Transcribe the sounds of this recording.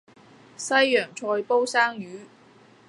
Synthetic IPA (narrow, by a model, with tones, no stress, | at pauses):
sɐ˥jːœː˨˩ŋt͡ʃʰɔː˧jpo˥wsaː˥ŋjyː˨˥